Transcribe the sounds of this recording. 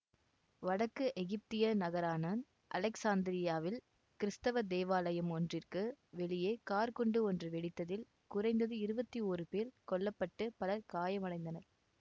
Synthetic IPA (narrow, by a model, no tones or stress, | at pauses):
ʋɐɽɐkːɯʔɛɣɪp̚t̪ɪjɐnɐɣɐɾaːnɐn | ʔɐ̰lɛksaːnd̪ɪɾɪjaːʋɪl | kɪɾɪst̪ɐʋɐd̪eːʋaːlɐjɐmɔndrɪrkɯʋɛɭɪjeːkaːɾkɔɳɖɯɔndrɯʋɛɽɪt̪ːɐðɪl | kʊrɐɪnd̪ɐðɯɪɾɯbɐt̪ːioːrɯpeːlkɔɭːɐpːɐʈːɯpɐlɐɾkaːjɐmɐɽɐɪnd̪ɐnɐɾ